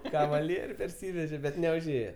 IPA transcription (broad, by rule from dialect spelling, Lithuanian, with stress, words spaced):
kɐʋɐˈlʲiɛrʲuː pʲɛrʲˈsʲiːʋʲɛʒʲɛ bʲɛt nʲɛʊʒʲˈeːjɛ